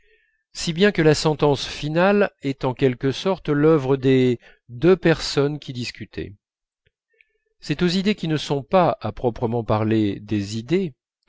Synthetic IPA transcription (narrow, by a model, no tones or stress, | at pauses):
sibjɛ̃kəlasɑ̃t̪ɑ̃sfinalɛt̪ɑ̃kʲɛlkəsɔʁt̪lœvʁəd̪e | d̪øpɛʁsɔnkʲid̪iskʲyt̪ʰɛ̰ | sɛt̪ozid̪ekʲinəsɔ̃paapχɔpχəmɑ̃paʁled̪ezid̪e